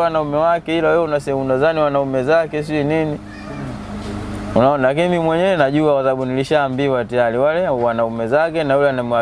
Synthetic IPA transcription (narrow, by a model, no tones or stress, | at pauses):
wanaumɛwakɛilawɛunasɛɛmunazaniwanaumɛzakɛs̬inini | unaɔnalak̬inimimwɛɲɛwɛnaʄuakaθaaɓuniliʃaːmbiwatajaɾiwalɛwanaumɛzakɛnajulɛanamua